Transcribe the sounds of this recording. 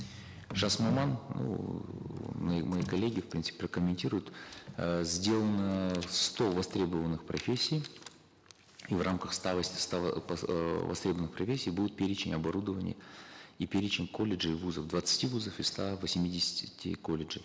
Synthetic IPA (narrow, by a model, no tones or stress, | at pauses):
ʐasmɐmannṵ | ɐmɐjikɐlʲːeɡʲɪfpɾʲint̪sɨ̥pʲɪprəkəmʲɪnʲtʲiɾʊjʊt̪ | zʲdʲe̞lˠənəst̪o̞vɐst̪ɾʲe̞bəvənːɨxpɾɐfʲesʲːij | ivrʔamkəxst̪avəsʲst̪a | vɐ̰st̪ɾʲebəvənɨxprɐfʲesʲːijbud̪ʲʊɪt̪̚pʲeɾʲɪt͡ɕɪnʲɐbɐɾud̪əvənʲɪ̰jə̰ipʲeɾʲɪt͡ɕɪnʲkʰo̞lʲɪʐɨivuzəvd̪vət̪sɨ̥tʲivuzəfɨst̪avɐsʲmʲidʲɪsʲɪ̥tʲɪ̰kolʲɪʐɨ